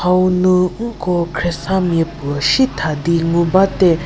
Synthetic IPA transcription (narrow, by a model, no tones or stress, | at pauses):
awnũŋ̩kɔkʰɾɛsãmjepuəʃit̪ʰad̪iŋubat̪ɛ